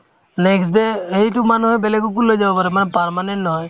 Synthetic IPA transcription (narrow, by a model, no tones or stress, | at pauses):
neksd̪eeɦjʈumanuɦɔjbelekuk̬ulːɔd͡ʒabapaɾɛmanepaɾmanenʈnɦɔj